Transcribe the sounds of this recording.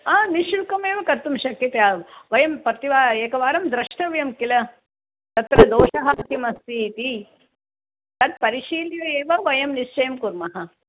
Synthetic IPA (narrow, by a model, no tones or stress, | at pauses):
aːniʃulkɐmeːʋɐkɐt̪ːumʃɐkːit̪ɐaːʋɐjɐmpɾɐt̪iʋaːeːkɐʋaːɾɐmd̪ɾɐʂʈɐʋjɐmkilɐ | t̪ɐt̪ɾɐd̪oːʂɐɦɐk̪imɐst̪iːt̪i | t̪ɐt̪̚pɐɾiʃiːljɐeːʋɐʋɐjɐmniʃt͡ʃɐjɐmkuɾmɐɦɐ